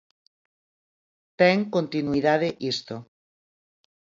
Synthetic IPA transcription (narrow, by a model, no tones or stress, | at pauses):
t̪eŋkont̪inuiðaðeʔist̪o